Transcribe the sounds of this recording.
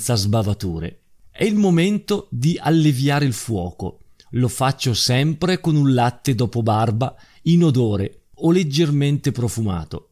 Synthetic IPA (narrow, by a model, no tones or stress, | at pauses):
t̪sazbavat̪uːɾḛ | ɛilmoment̪od̪iʔalːevjaːɾeilfwɔːko̰ | lofat͡ʃːosɛmpɾekonunlat̪ːed̪ɔːpobarba | inod̪oːɾe | oled͡ʒːerment̪epɾofuma̰ːt̪o